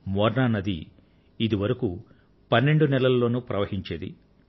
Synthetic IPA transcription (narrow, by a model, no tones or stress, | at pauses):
mɔːɾnaːnɐd̪ḭ | id̪iʋɐɾɐku | pɐnːe̞ɳɖunɛlɐlɐlːo̞ːnupɾɐʋɐɦiɲt͡ʃeːd̪ḭ